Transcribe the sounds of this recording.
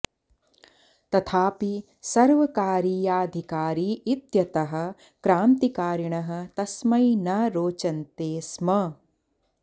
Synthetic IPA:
t̪ɐt̪ʰaːpi | sɐɾʋɐkaːɾiːjaːd̪ʱikaːɾiːit̪jɐt̪ɐɦɐ̆ | kɾaːnt̪ikaːɾɐɳɐɦɐ̆t̪ɐsmɐjnɐɾoːt͡ʃɐnt̪eːsmɐ

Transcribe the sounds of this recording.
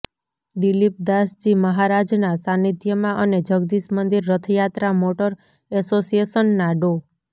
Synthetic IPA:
d̪ilip̚d̪asd͡ʒiməɦaɾad͡ʒnasanit̪jəmãʔəned͡ʒəɡd̪iʃmənd̪iɾːət̪ʰjat̪ɾamoʈəɾ | ɛsosiesənːaɖo

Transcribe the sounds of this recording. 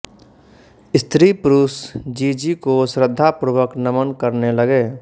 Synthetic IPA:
ɪst̪ʰɾipɾuːsd͡ʒiːd͡ʒikosɾəd̪ʱːapɾʊʋəknəmənkəɾnelɐɡeː

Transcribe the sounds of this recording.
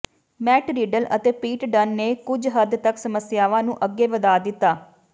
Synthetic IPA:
mɛːʈɾiːɖəlʔət̪eːpiːʈɖənːeːkʊd͡ʒɦəd̪t̪əksəməsɪjaːʋãːnũːʔəɡːeːʋəd̪aːd̪ɪt̪ːaː

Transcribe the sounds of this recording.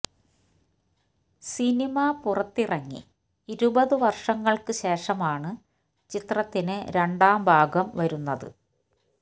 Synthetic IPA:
sinimɐpurɐt̪ːirɐŋːḭ | iɾubɐðɨʋɐrʂɐŋːɐɭkɨɕe̞ːʂɐmaːɳɨ | t͡ɕit̪rɐt̪ːinɨɾe̞ɳɖaːmbʱaːɡɐmʋɐɾunːɐðɨ̰

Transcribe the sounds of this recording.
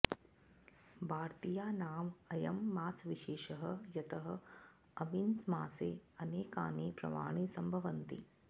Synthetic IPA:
bʱaːɾt̪ijaːnaːmɐjɐmːaːsʋiʃeːʃɐɦɐ̆jɐt̪ɐɦɐ̆ | ɐminsmaːseːɐneːkaːneːpɾɐ̰ma̰ːɳ̃iːsɐmbʱɐʋɐnt̪ḭ

